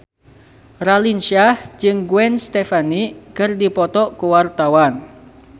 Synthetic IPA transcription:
ralinʃahd͡ʒɨŋɡuwɛnst̪efanikɨrdipɔt̪ɔkuwart̪awan

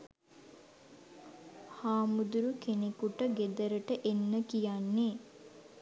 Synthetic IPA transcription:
haːmud̪uɾukenekuʈəɡed̪əɾəʈəʔenːəkijanːeː

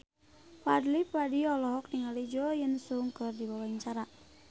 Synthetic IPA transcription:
padlipadiɔlɔɦɔk̚niŋalid͡ʒɔjənsuŋkərdibawaiɲt͡ʃaɾa

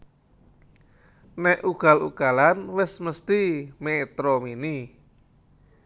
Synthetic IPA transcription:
nɛʔuɡ̥a̤lṵɡ̥alanwɪsməst̪imet̪ɾɔmini

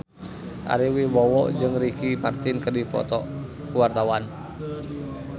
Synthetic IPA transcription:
ʔa̰ɾiwibɔwɔʔd͡ʒɨŋrikimart̪ɪnkərdipɔ̰t̪ɔ̰ | kəwart̪awan

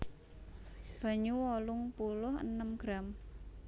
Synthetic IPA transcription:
b̥ä̤ɲuwɔlʊŋpulʊhə̰nəmɡ̥ɾam

